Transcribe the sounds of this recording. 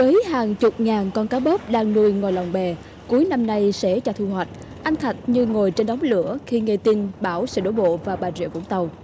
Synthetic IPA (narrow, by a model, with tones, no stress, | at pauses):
vəː˨˦jhaː˨˩ŋt͡ɕʊ˨˩p̚ŋaː˨˩nkɔ˧nkaː˨˦ɓə˦˥p̚ɗaː˧ŋnu˧əjŋo˨˩jla˨˩wŋ͡mɓɛ˨˩ | ku˨˦əjna˧mna˧jsɛ̰˧˥t͡ɕɔ˧t̪ʰu˧hwa˨˩jt̚ | ʔa˧jŋ̟t̪ʰa˨˩t̟̚ɲɨ˧ŋo˨˩jt͡ɕe˧nɗwŋ͡mlɨ̰˧˥əxi˧ŋe˧t̪i˧nɓaː˧˩wsɛ̰ː˧˥ɗo˨˧˦jɓo̰˧˨vaː˨˩ɓaː˨˩zḭ˧˨vṵ˧˥əŋt̪ə˨˩w